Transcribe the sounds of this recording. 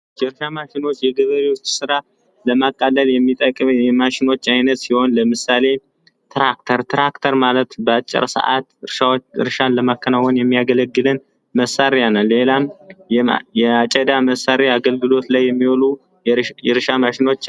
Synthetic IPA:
jɛɾʃamaʃɪno̞t͡ʃːjɛɡəβəɾewo̞t͡ʃːsɨɾa | ləmakʼːalːəljɛmːit̪ʼəkʼːmjɛmaʃɪno̞t͡ʃːajnət̪siho̞nləmɨsale̞ | t̪ʰɾak̚t̪ʰəɾt̪ʰɾakt̪ʰəɾmalət̪bəat͡ʃʼːɪ̰ɾsə̰ʔa̰t̪ɾaɨ̰ɾʃanləmakːənawɔnjɛmːijaɡələɡːɨlɨn | məsaɾeanalːe̞lam | jɛat͡ʃʼəd̪aməsaɾeaɡəlɡɨlo̞t̪lajːɛmːiwolu | jɛɾɨʃamaʃɪno̞t͡ʃː

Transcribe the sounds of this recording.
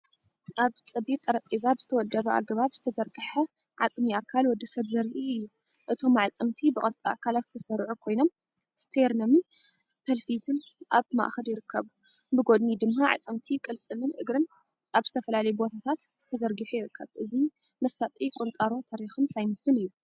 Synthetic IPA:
ʔaβt͡sʼɐbit̪ʼːɐɾɐt̪ʼezabɨz̥ɨt̪ʰɐwɔd̪ːɐβɐʔa̰ɡɐβaβz̥ɨt̪ʰɐzɐɾɡɨħɐ | ʕat͡sʼmiakʰːalwɔd̪ɐsɐβzɐɾiɨjːu | ʔɨt̪ʰo̞maʕat͡sʼɨmt̪ʰibɨkʼɐɾt͡sʼia̰kʰalat̪z̥ɨt̪ʰɐsɐɾʕukʰo̞jno̞m | st̪ʰeɾnomɨn | t̪ʰɐlfizɨnʔa̰βma̰ʔxɐljɪɾɨkʰːɐβu | bɨɡod̪nid̪ɨmːaʕa̰t͡sʼɨmt̪ʰikʼɨlt͡sʼɨmɨnʔɨɡɾɨn | ʔaβzɨt̪ʰɐfɐlalɐjubo̞t̪ʰat̪ʰat̪z̥ɨ̥t̪ʰɐzɐɾɡɨħujɪɾɨkʰːɐβʔɨzi | mɐsat̪ʼikʼont̪ʼaɾot̪ʰaɾixɨmsajmɨsɨnɨjːu

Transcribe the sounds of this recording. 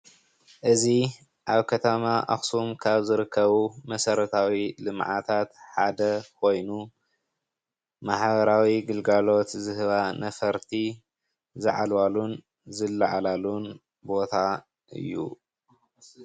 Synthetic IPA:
ʔɨzi | ʔaβkʰɐt̪ʰɐmaʔa̰xsumkʰaβzɨɾɨkʰːɐβumɐsɐɾɐt̪ʰawilɨmʕa̰t̪ʰat̪ħad̪ɐkʰo̞jnu | maħbɐɾawiɡɨlɡalo̞t̪zɨhɨβanɐfɐɾt̪ʰi | zɨʕa̰lwalun | zɨlːaʕalalun | bo̞t̪ʰa | ʔɨ̰jːṵ

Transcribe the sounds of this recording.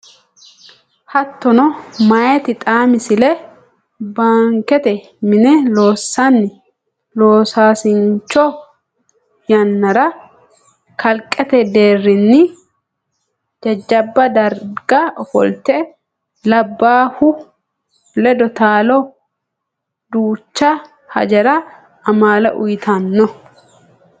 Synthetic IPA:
hɐt̪ːɔnɔmɐjɛt̪ɪt̪ʼaːmɪsɪlɛ | baːŋkɛt̪ɛ | mɪnɛlo̞ːsːanːɪ | loːsaːsɪnt͡ʃːɔ | jɐnːɐɾɐ | kɐlkʼːɛt̪ɛd̪eːrːɪnːɪ | d͡ʒɐd͡ʒːɐbːɐd̪ɐɾɡɐɔfɔ̰lt̪ɛ | lɐbːaːhʊ | lɛd̪ɔt̪aːlɔ | d̪uːt͡ʃːɐ | hɐ̰d͡ʒɛɾɐ | ɐmaːlɐ̰ʔʊjt̪ʰɐnːɔ

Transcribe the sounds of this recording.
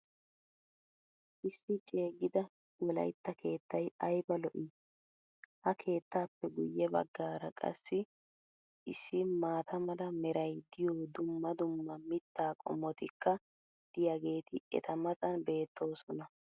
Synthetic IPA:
ʔɪsːɪt͡ʃʼe̞ːɡɪd̪ɐ | wɔlɐ̰jt̪ːɐkʰe̞ːt̪ːɐjɐjbɐlɔʔiː | hɐkʰe̞ːt̪ːaːpːɛɡʊjːɛbɐ̰ɡːaːɾɐkʼɐ̰sːɪ | ʔɪsːɪmaːt̪ʰɐmɐlɐmɛɾɐjd̪ɪjoːd̪ʊmːɐd̪ʊmːɐmɪt̪ːaːkʼɔ̰mːɔt̪ɪkːɐ | d̪̥ɪjɐɡe̞ːt̪ʰɪɛ̰t̪ʰɐmɐt͡sʼɐnbe̞ːt̪ːo̞ːsɔnɐ

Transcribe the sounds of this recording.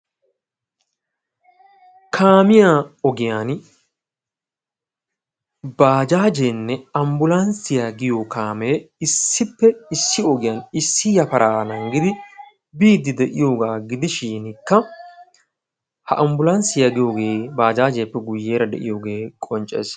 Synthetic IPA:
kʰaːmɪjaɔɡɪjaːn | baːd͡ʒaːd͡ʒeːnːɛɐmbʊlɐnsɪjaːɡɪjokaːmeːɪsːɪpːɛɪsːɪɔɡɪjaːnɪsːɪjɐpɐɾʔaːnɐŋɡɪd̪ɪ | biːd̪ːɪd̪ɛʔɪjo̞ːɡaːɡɪd̪ɪʃiːnkːɐ | hɐʔɐmbʊlɐnsɪjaɡɪjo̞ːɡeːbaːd͡ʒaːd͡ʒejpːɛɡʊjːe̞ːɾɐd̪ɛ̰ʔɪ̰jo̞ːɡe̞ːkʼɔnt͡ʃʼḛːs

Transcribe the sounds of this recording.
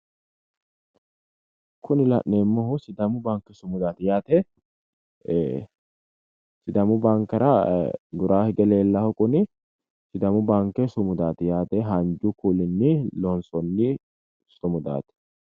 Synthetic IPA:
kʊnɪlɐ̰ʔneːmːɔɦʊsɪd̪ɐmʊbaŋkːɛsʊmʊd̪aːt̪ɪjaːt̪ɛ | sɪd̪ɐmʊbaŋkːɐɾɐd̪ʊɾaːhɪɡɛleːlːɐhʊkʼʊnɪ | sɪd̪ɐmʊbaŋkːɛsʊmʊd̪aːt̪ɪjaːt̪ɛɦɐnd͡ʒʊkuːlɪnːɪlɔnsɔnːɪ | sʊmʊd̪a̰ːt̪ɛ̥

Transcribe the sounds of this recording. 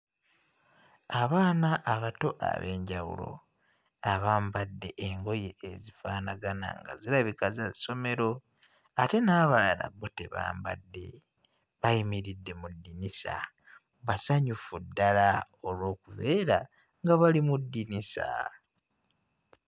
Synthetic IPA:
aβaːnaʔːβato̞ʔa̰βe̞ːɲɟawṵlo̞̰ | aβaːmbadːe̞ʔeŋɡo̞je̞ezifaːnaɡana̰ŋɡa̰zilaβikazaso̞me̞ɾo̞ | ate̞naːβalaɾa̰bote̞̰βa̰ːmba̰dːe̞̰ | βajimiɾidːe̞mudːinisa̰ | βasaɲufudːala | o̞lwo̞ːkuβe̞ːɾa | ŋɡaβalimudːinisa̰

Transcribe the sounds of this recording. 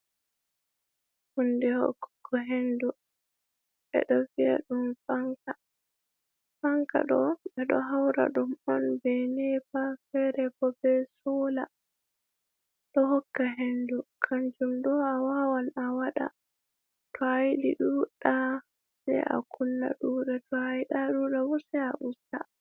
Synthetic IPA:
hundɛhɔ̰kːkʰːɔɦendu | ɛ̰ɗɔvia̰ɗumfaŋka | faŋka̰ɗɔɛɗɔɦawɾa̰ɗumɔnbɛnɛbafɛɾɛbɔbɛsɔla | ɗɔhɔkːaɦendukʰand͡ʒumɗɔawawanawaɗa̰ | tʰɔajilḭɗuɗa | sɛ̰ʔa̰kʰunːa̰ɗuːɗatɔajiɗaɗuɗabɔsɛa̰ʔusta

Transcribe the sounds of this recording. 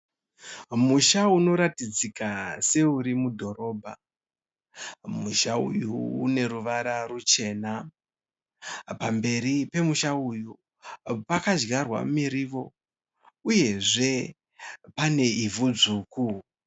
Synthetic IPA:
muʃauno̞ɾatid͡zikase̞uɾimudʱo̞ɾo̞ːbʱa̰ | muʃaṵjuːne̞ɾuʋaɾarut͡ʃe̞ːna | pambe̞ɾipe̞muʃauju | pakad͡ʒɡarwa̰miɾiʋo̞ | uje̞ʐe̞ | pane̞ivud͡zuːku

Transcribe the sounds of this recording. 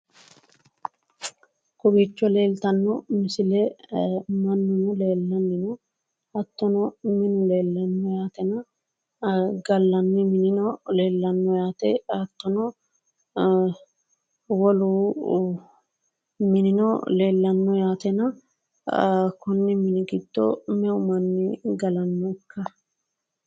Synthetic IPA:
kʊbit͡ʃːɔle̞ːlt̪ɐnːɔmɪsɪlɛ | mɐnːʊnɔle̞ːlːɐnːɪnɔ | ɐt̪ːɔnɔmɪnʊle̞ːlːɐnːɔjaːt̪ɛnɐ | ɡɐlːɐnːɪmɪnɪnɔle̞ːlːɐnːɔjaːt̪ɛɐt̪ːɔnɔ | wɔluː | mɪnɪnɔ̰le̞ːlːɐnːɔjaːt̪ɛnɐ | kʊnːɪmɪnɪɡɪd̪ːɔ̰mɛʊmɐnːɪɡɐlɐnːɔɪkːɐ

